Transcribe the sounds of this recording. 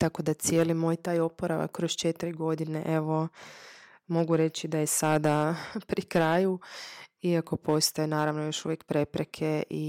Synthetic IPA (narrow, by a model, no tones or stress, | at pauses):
t̪ako̞d̪at̪sje̞ːlimojt̪aːjo̞poɾa̰ʋa̰kkːɾost͡ʃet̪iɾiɡo̞d̪ineʔe̞ʋo̞ | mo̞ɡuɾe̞t͡ʃid̪ajesad̪apɾikɾaːju | iako̞pʰo̞st̪ajenaːɾaʋnojo̞ʃuʋjekpɾe̞pɾekʰeʔi